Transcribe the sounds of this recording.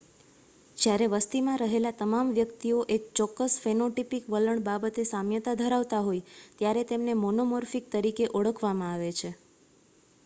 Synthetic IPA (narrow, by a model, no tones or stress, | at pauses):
d͡ʒjaɾeʋəst̪imãɾəɦelat̪əmamʋjəkt̪ioʔek̚t͡ʃɔkːəsfenoʈipikʋələɳbabət̪esamjət̪ad̪ʱəɾaʋt̪aɦojt̪jaɾet̪emnemonomɔɾfik̚t̪əɾikeʔəɭəkʰʋamãaʋet͡ʃʰe